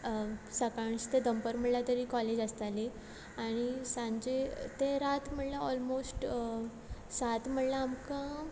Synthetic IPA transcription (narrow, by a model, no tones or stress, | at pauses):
səkaɳst̪ed̪əmpəɾm̤əɽlat̪əɾikɔled͡ʑəst̪ali | aɽ̃isãɲd͡ʑet̪eɾat̪m̤əɽlaɔlmosʈ | sat̪m̤əɽlaːmkã